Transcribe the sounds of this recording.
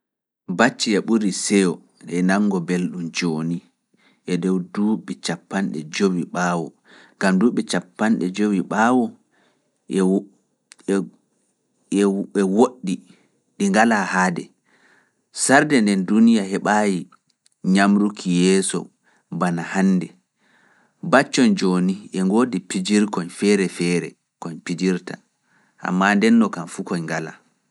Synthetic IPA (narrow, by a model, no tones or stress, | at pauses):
bat͡ʃːiɛɓuɾisɛjɔ | ɛnaŋːɡɔbelɗumd͡ʒoːni | ʔɛdɔwduɓɛt͡ʃapːanɗɛ̰d͡ʒowiɓaːwɔ | ɡ̥amduːɓɛt͡ʃapːanɗɛd͡ʒowiɓawɔ | ɛwoɗːi | ɗiŋɡalahaːdɛ | saɾdɛndɛndunijahɛɓaːji | ɲamɾukʰijɛːsɔ̰ | banahanːdɛ | bat͡ʃːɔnd͡ʒoːniʔɛŋɡoːdipid͡ʒiɾkɔnfɛɾɛfɛːɾɛ̰ | kɔɲpid͡ʒiɾta̰ | ʔa̰mːandɛnːɔkanfukɔɲŋɡala̰